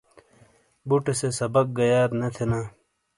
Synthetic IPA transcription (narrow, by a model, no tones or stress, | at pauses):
buʈesesɐbɐk̚ɡɐjaːɾnɐt̪ʰenaː